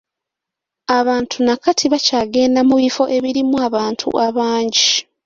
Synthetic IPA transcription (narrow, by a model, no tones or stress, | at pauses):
aβaːntʰunakatʰiβacaːɡe̞ːnamuβifo̞ʔe̞βiɾimuaβaːntʰṵʔaβaːɲɟi